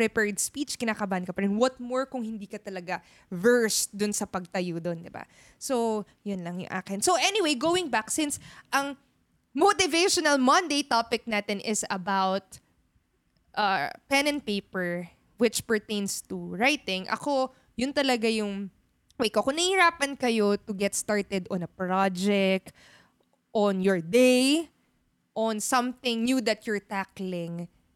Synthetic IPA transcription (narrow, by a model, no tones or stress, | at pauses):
pɾɛpɛɹd̪spit͡ʃkɪnaːkɐbaːʔɐnkɐpɐɾɛnwɐt̪̚moɹkʊŋhɪnd̪iːkɐt̪ɐlɐɡa | vɛɹsd̪ʊnsɐpɐɡ̚t̪ɐjod̪ond̪ɪba̰ | so | jʊnlɐŋjʊ̰ŋʔa̰ːkɪnsoʔɛniwejɡowɪŋbaksɪ̃nsʔɐŋ | mot̪ɪvejʃɔnɐlmɐ̃nd̪ejt̪apɪk̚naːt̪ɪnʔɪsɐbawt̪̚ | ʔɐpɛnɛ̃nt̪̚peɪpɛɹ | wɪt͡ʃpɛɹt̪ẽjnst̪uɹajt̪ɪŋʔɐ̰ko̞ | jʊnt̪ɐlɐɡajʊŋ | wejkoʔkʊŋnɐhiɾaːpɐnkɐjo̞t̪ʊɡɛt̪st̪aɹt̪ɛd̪ɔ̃nɐpɹad͡ʒɛk̚t̪ | ʔɔnjɔɹd̪ej | ʔɔnsɐ̃mθɪ̃ŋnjud̪ɐt̪jɔɹt̪aklɪ̃ŋ